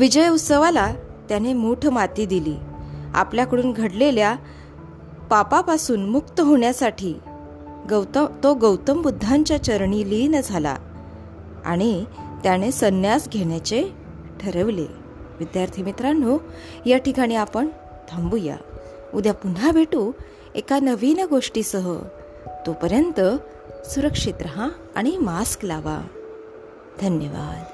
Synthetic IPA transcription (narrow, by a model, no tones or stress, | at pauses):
ʋid͡ʑəjut̪səʋalat̪janemoʈʰmat̪iːd̪ilḭːa̰pljakəɽuːnɡʱəɽlelja | papapasuːnmukt̪əɦoɳjasaʈʰiː | ɡəwt̪t̪oɡəwt̪əmbud̪ʱːaɲt͡ɕjat͡ɕəɾɳilinəd͡zʱala̰ | a̰ɽ̃it̪jañesənjasɡʱeɳjat͡ɕe | ʈʰəɾəʋlḛ | ʋid̪jaɾt̪ʰimit̪ɾano | jaʈikaɽ̃iapəɳ | t̪ʰãmbuja̰ | ud̪ʱjapun̤abʱeʈuː | ekanəʋinɡoʂʈiːsəɦə̰ | t̪opəɾjənt̪ə | suɾəkʂit̪ɾəɦã | a̰ɽ̃imasklaʋa̰ | d̪ʱənjəʋa̰d̪